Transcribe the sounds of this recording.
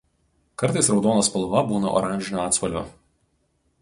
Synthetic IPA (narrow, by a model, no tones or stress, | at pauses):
kɐɾt̪ɐɪsɾɒʊd̪oːnoːspɐlˠʋɐbuːnɐ̰ʔɔ̰ɾɑˑnʲʒʲɪnʲoːɑːt̪spɐlʲʋʲo̰ː